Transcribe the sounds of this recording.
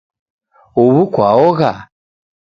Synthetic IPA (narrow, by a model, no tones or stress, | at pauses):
uβukwaɔɣa